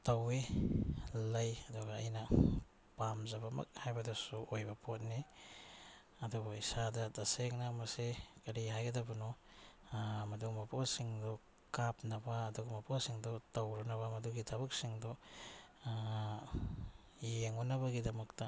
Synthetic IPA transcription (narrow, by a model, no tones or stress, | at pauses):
tɐwe | lɐjɐduɡɐːjnɐ | pamzɐbɐmɐ̰k̚hajbɐdusuojbɐpʰot̚ni | ɐdubɐisadɐdɐseŋnɐmɐsekɐɾiɦajɡɐdɐbɐnɔ | mɐdumɐpʰosiŋdɔ | kap̚nɐbɐːduɡɐmɐpowsiŋdutɐwɾunɐβɐmɐduɡitʰɐbɐk̚siŋdu | jeŋunɐbɐɡidɐmɐk̚tɐ